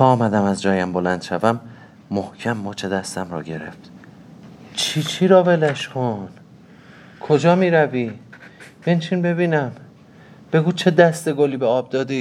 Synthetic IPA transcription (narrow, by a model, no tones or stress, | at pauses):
t̪ʰɒːmæd̪æmæzd͡ʒɒːjæmbolænd̪̥ʃævæmː | ohcʰæmːɒːt͡ʃʰe̞d̪æst̪æmrɒ̰ːɟe̞ɾḛft̪ | t͡ʃʰit͡ʃʰiɾɒːve̞læʃxʰon | kʰod͡ʒɒːmiːɾæviː | bent͡ʃʰiːnbe̞βiːnæm | b̥e̞ɡuːt͡ʃʰe̞d̪æst̪e̞ɡoliːbeɒːb̚d̪ɒːd̪i